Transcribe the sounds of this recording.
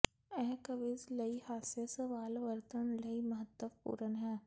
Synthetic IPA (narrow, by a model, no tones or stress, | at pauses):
ɛːkəʋɪzlɐihaːsesɐʋaːlʋəɾt̪ənlɐimɐɦət̪ːəʋpṵːɾənɦɛː